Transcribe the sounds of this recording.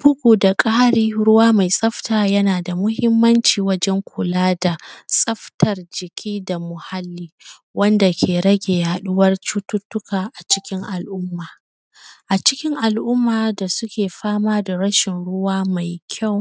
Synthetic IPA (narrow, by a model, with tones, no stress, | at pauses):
b̥ʊ˦ɡʷuː˨da˨kʼa˦a˦ɽiː˦ɽʊ˦waː˦ma˨jsʼɐ˦ɸtaː˨jɐ˦naː˨da˨mʊ˦hɪ˦mːɐ˦nt͡ʃiː˨wɐ˦d͡ʒɛ˦ŋkʷʊ˨laː˦da˨sʼɐ˦ɸtɐ˨rd͡ʒɪ˨kʲʰiː˦da˨mʊ˨ha˦lːiː˦ | wɐ˦nda˨kʲʰeː˨ɽɐ˦ɡʲeː˨ja˨ɗʊ˦wɐ˦rt͡ʃu˦tʊ˦tʊ˦kaː˨ʔa˨t͡ʃɪ̥˦kʲɪ˦ŋʔa˨lʔʊ˦mːaː˨ | ʔa˨t͡ʃɪ˦kʲɪ˦ŋʔa˨lʔʊ˦mːaː˨da˨sʊ˦kʲeː˨ɸaː˦maː˦da˨ɽɐ˦ʃɪ˨nɽʊ˦waː˦ma˨jkʲʰa˦˨w